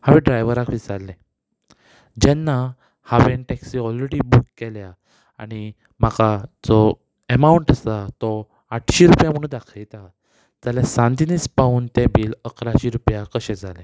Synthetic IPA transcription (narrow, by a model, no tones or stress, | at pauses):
haʋɛ̃ɖɾajʋəɾãkʰʋisaɾlɛ̃ | d͡ʑɛnːa | haʋenʈɛksiɔlɾeɽiːbukːɛljaː | ɽ̃i | m̤akad͡zɔ | emauɳʈəst̪at̪ɔ | aʈʰɕiɾupjam̤əɽuːnd̪akʰəjt̪a | d͡zaljasãnt̪iniːspauːnt̪ɛbiːləkʰɾaɕiɾupjakəɕɛ̃d͡zʱalɛ̃